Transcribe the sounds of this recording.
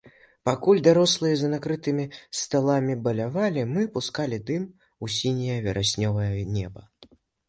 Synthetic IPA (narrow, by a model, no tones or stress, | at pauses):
pakulʲd̪aɾɔslˠɨjɐzɐnakɾɨt̪ɨmʲist̪alˠamʲibɐlʲavalʲimɨpuskalʲid̪ɨm | usʲinʲijɐvʲɛɾʔasʲnʲɔvɐjɐnʲɛbɐ